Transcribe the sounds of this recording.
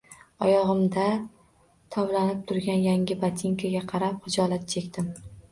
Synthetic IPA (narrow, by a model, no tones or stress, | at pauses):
ɒjɒʁɨmd̪a | t̪ʰɒwlanɪp̚t̪ʰʊɾɡʲanjaŋʲɪbat̪ʰiŋkʲʰaɡʲaqʰɑɾapχɨd͡ʒɒlat̪̚t͡ʃʰe̞kʲt̪ɪm